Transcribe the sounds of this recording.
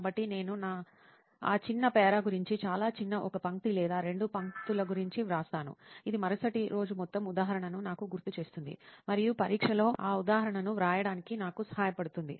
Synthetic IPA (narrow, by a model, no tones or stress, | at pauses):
bɐʈːine̞ːnunaː | a̰ːt͡ʃinːɐpɛːɾaːɡuɾiɲt͡ʃit͡ʃaːlaːt͡ʃinːɐʔɔkɐpɐŋk̚t̪ilɛːd̪aːɾe̞ɳɖupɐŋt̪ulɐɡuɾiɲt͡ʃiʋɾaːst̪aːnṵid̪imɐɾɐsɐʈiɾo̞ːd͡ʒumɔt̪ːɐmud̪aːɦɐɾɐɳɐnunaːkuɡuɾt̪ut͡ʃe̞ːst̪und̪ḭmɐɾijupɐɾiːkʂɐlo̞ːʔaːud̪aːɦɐɾɐɳɐnuʋɾaːjɐɽaːnikinaːkusɐ̥ɦaːjɐpɐɽut̪und̪ḭ